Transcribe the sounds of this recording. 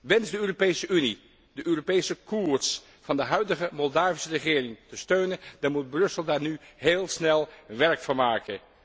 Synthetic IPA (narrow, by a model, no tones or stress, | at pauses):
ʋɛnzdəøːropejsəʔyni | dəʔøːropejsəkuːɹs | fɑndəɦœɥdəχəmɔlˠdaːvisərəχɪːrɪŋtəstøɥnəndɑnmud̚brɵsəlˠdaːɹnyɦeːlˠsnɛlˠʋɛɹkfʊɹmaːkən